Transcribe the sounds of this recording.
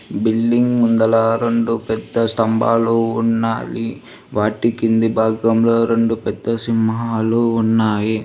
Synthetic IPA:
bilːiŋɡmund̪ɐlɐɾeɳɖupɛd̪ːɐst̪ɐmba̰ːluːnːaːli | ʋaːʈikind̪ibʱaːɡɐmloːɾeɳɖupɛd̪ːɐsimɦaːluːnːaːji

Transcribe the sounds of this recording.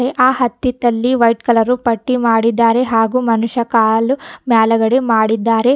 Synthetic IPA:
ɾeʔaːhɐt̪ːit̪ɐlːiʋɐjʈkɐlɐɾupɐʈːimaːɽid̪ːaːɾe̞ɦaːɡumɐnuʂɐkaːlumaːlɐɡɐɽemaːɽid̪ːaːɾe̞

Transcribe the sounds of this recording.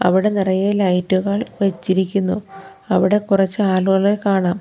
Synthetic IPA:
ɐ̰ʋiɽe̞nirɐjɐlɐjtːuɣɐɭʋet͡ɕːiɾikʲːunːu | ɐʋiɽe̞kurɐt͡ɕːɨaːluɣɐɭekaːɳaːm

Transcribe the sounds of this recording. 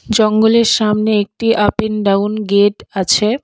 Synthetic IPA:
d͡ʑɔŋɡoleɾʃamneek̚ʈiʔapenɖawnɡeʈat͡ɕʰe

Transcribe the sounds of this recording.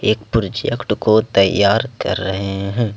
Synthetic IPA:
eːkpʊɾd͡ʒjɐkʈkot̪ɐjːaːɾkɐ̰ɾːɐɦeɦɛ̃ː

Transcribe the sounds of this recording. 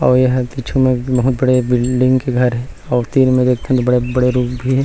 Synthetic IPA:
ɔːɾjeɦɐt̪it͡ʃʰũmẽbɐɦʊt̪bɐɽebɪlɖɪ̃ŋɡkeɡʱɐɾɦɛ̃ | ɔːɾt̪iːɾmẽd̪eːk̚ʰt̪eɦɛ̃t̪obɐɽebɐɽeɾuːkbʱiɦɛ

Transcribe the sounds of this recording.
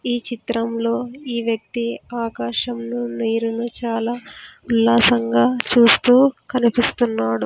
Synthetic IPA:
iːt͡ʃit̪ɾɐmlo̞ːiːʋjɐk̚t̪iaːkaːʂɐmnuniːɾunut͡ʃaːlaːulːaːsɐŋɡaːt͡ʃuːst̪uːkɐnipist̪unːaːɽu

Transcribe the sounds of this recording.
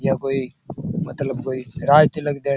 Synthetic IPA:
jaːkoːiːmət̪ləbkoːiːɾaːjt͡ʃələɡd̪eː

